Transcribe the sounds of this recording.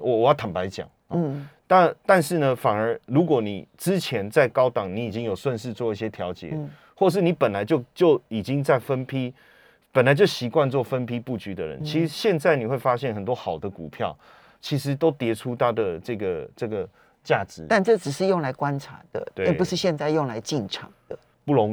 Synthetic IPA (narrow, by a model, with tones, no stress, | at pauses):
wɔ˨wɔ˨˩jɑ˥˩t̪ʰa˨˩pa˧˥ɪt͡ɕjɑ̰˨˦ŋ̩˦˥˩t̪a˥˧t̪a˥˧nʂɻ̩˥˩nə˨fa˨˩nə˞˧˥ɻu˧˥kwɔ˨˩nḭ˨˩ʈ͡ʂɻ̩˦˥t͡ɕʰjɛ˧˦˥nt͡sa˥˩ɪkɑ˥ʊt̪ɑ˨˩˦ŋni˧˥˦i˨˩t͡ɕi˦˥ŋjo˨˩ʊswə˥˧nʂɻ̩˥˧t͡swɔ˥˧i˥˩ɕjɛ˦˥t̪ʰjɑ˧˥ʊt͡ɕjɛ̰˨˩˦ | xwɔ˥˧ʂ̬ɻ̩˥˩ni˨˥pə˨˩nla˨˦ɪt͡ɕjo˥˧ʊt͡ɕjo˥˩ʊi˨˩t͡ɕi˦ŋt͡sa˥˩ɪfə˦˥npʰi˦˥ | pə˨˩nla˧˦t͡ɕjo˥˩ɕi˧˥kwa˥˧nt͡swɔ˥˩fə˦˥npʰi˦pu˥˩t͡ɕy˨˥d̪ə̰˨ɻə̰˧˦nt͡ɕʰi˧˥ʂɕjɛ˥˧nt͡sa˥˩ɪni˨˩xwe˥˩ɪfa˦ɕjɛ˥˩nxə˨˩nt̪wɔ˥xɑ˨˩ʊd̪ə˦kṵ˨˩pʰjɑ˥˨ʊ | t͡ɕʰi˧˥ʂ̬ɻ̩˧˦t̪o˥ʊt̪jɛ˧˥ʈ͡ʂʰu˦t̪ʰa˦d̪ə˨ʈ͡ʂɤ˥˩ɡə˩ʈ͡ʂɤ˥˩ɡə˩ | t͡ɕja˥˩ʈ͡ʂɻ̩˧˥˦t̪a˥˧nʈ͡ʂɤ˥˩ʈ͡ʂɻ̩˨˩ʂɻ̩˥˧jo˥˩ŋla˧˥ɪkwa˦nʈ͡ʂʰa̰˧˥˦d̪̥ə̰˧˨we˥ɛ˥˩u˧˦ʂɻ̩˥˧ɕjɛ˥˧nt͡sa˥˧ɪjo˥˩ŋla˧˥ɪt͡ɕi˥˩nʈ͡ʂʰɑ̰˨˩ŋd̪ə˩˨ | pu˥˨lo˧˥ŋ